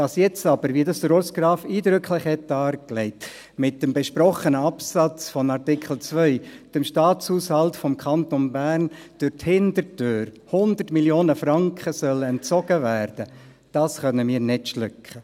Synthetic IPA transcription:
dɑsjɛt͡stɑb̥əɾʋiədɑsdəɾosɡ̥ɾɑːfiːdɾʏkʰlɪχhɛt̚ːɑːɾklɛɪt | mɪt̚dəmbɛʃpɾɔχənəɑpsɑt͡sfɔnɑɾtɪkχl̩t͡svœʏd̥əmʃtɑːt͡shuːshɑltfɔmkʰχɑntonbæːrnd̥øɾthɪndəɾtøːɾ | hʊnd̪ərtmiljoːnəfrɑŋkχəsœləɛnt͡sɔɡ̥əvæːɾd̥ə | d̥ɑːsχœnəmiːɾnɪtʃlʏkχə

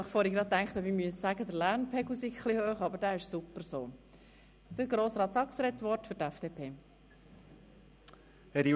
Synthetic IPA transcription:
ɑχfɔːɾiɡɾɑt̚tæŋkχtɔbimyəssæɡəd̪əɾlæɾnpʰɛɡusɪkχlihøːχɑbəɾdæːɪʃsupːəɾsoː | d̪̥əɾɡɾoːsɾɑːt̪sɑksɾɛtsʋɔrtfʏɾtæfd̥eːpʰeː | hɛɾi

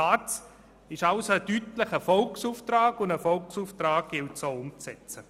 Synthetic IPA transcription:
aːts | ɪʃaʊsoətytlɪχəfɔlksuːftraːɡʊndəfɔlksuːftraːɡ̥̚ɡ̥ɪltsoʊmt͡sɛt͡sə

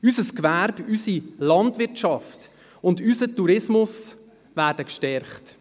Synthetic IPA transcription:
ysəskʋæɾb̥ysilɑntvɪrtʃɑft | ʊndysətuɾɪsmʊs | væːɾdəkʃtɛɾχt

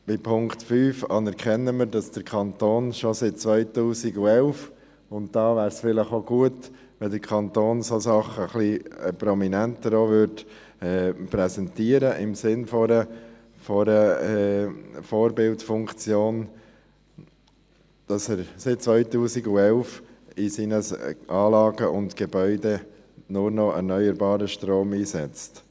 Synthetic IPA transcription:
b̥ɪpʰʊŋktfyːfɑnɛɾkʰχɛnːəməɾdɑsd̥əɾkʰɑnt̪oːnʃosɪt̚t͡sʋœʏtuːsiɡuɛlf | ʊntd̥ɑːʋæːɾsfɪləχoɡ̥uət | ʋɛld̪əɾkʰɑnt̪oːnsosɑχəχlipɾɔminænt̪əɾoʋʏɾd | ɛːpɾɛsɛntiəɾəʔɪmsɪnfɔɾə | fɔɾə | foːɾbɪltfʊŋkt͡sjoːn | d̥ɑsɛɾsɪt̚t͡sʋœʏtuːsiɡuɛlfisiːnəsʔɑːlɑːɡəʔʊntɡ̥ɛbœʏdɛ | nʊɾnɔʔɛ̰ɾnœʏəɾbɑːɾəʃtɾoːmiːsɛt͡st

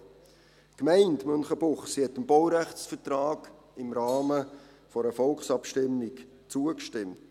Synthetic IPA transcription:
kmæɪntmʏnχəb̥ʊχsihɛtɪmbɔwɾæχtsfətrɑːɡ̥ | ɪmɾɑːmə | fɔɾəfɔlkχsɑpʃtɪmːɪk | t͡suəkʃtɪmt

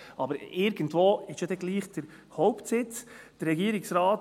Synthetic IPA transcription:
ɑbəɾɪɾɡəntvoːɪʃjod̪ɛɡ̥liːχd̥əɾ | hɔʊptsɪt͡sd̥əɾːɛɡiːəɾɪksɾɑːt

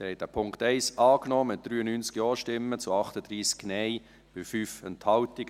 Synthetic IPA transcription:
hɛɪt̚æpʰʊŋktɛɪsɑːknɔːmɪt̚d̥ɾyːənyːnt͡skjɔːʃtɪmːət͡sʊɑχtəd̪ɾiːsknɛɪ | b̥ɪfyːfɛnthɑltɪɡ̥ə

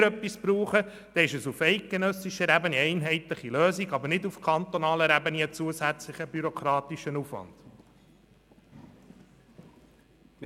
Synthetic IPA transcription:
ɾœpːisbɾuːχə | d̪̥ɛːɪʃəsufɛɪk̚ɡ̥enœsiʃəɾæbəniɛɪnɦɛɪt̪lɪχiløːsiɡɑbəɾnɪdufkʰɑnt̪ɔnɑːləɾæbəniət͡suəsæt͡slɪχəbyɾɔkɾɑːt̪iʃənuːfʋɑ̰nd̥

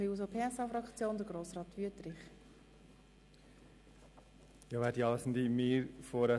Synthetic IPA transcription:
iuːs̬opʰeːɛsɑːfɾɑkt͡sjoːnd̪əɡɾoːsrɑːt̪ʋyətɾɪχ | jɑʋæːɾdiɑləsn̩d̪imiːɾfoɾɛ

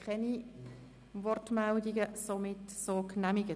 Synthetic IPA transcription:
kʰχɛni | vɔrtmɛldiɡəsomɪtsoknæmiɡə

